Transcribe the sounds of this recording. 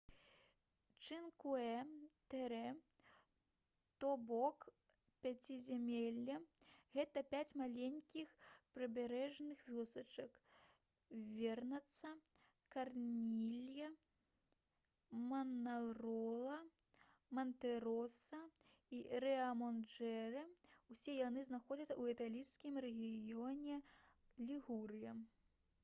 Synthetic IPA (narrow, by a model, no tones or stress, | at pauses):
t͡ʂɨnkuɛt̪ɛɾɛ | t̪ɔbɔk | pʲat͡sʲizʲamʲelʲːɐɣɛt̪ɐpʲat͡sʲmalʲenʲkʲixpɾɐbʲaɾɛʐnɨxvʲɔsɐt͡ʂɐk | vʲɛrnɐt̪sɐ | karnʲilʲjɐ | mɐnalˠɾɔlˠɐ | mɐnt̪ɛɾɔsɐiɾɛɐmɔnd͡ʒɛɾɨwsʲɛjanɨznaxɔd͡zʲɐsɐwɛt̪alʲiskʲimɾɛɣʲijɔnʲɛlʲiɣuɾɨjɐ